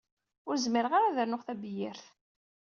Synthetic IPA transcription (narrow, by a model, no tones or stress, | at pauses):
ʊɾzmiɾəʁaɾaðəɾnʊʁθæbjɪɾθ